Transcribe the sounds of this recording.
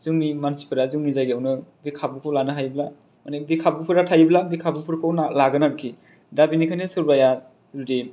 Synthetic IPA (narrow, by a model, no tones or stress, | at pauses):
zɯŋnimansi̥pʰɯɾazɯŋnizajɡiawnɯbikʰabɯkʰɯwlanɯɦajbla | manebikʰabupʰɯɾatʰajblabikʰabupʰɯɾkʰɯwnalaɡɯnaɾkʰi | dabinikʰanesɯɾbaja | sɾudi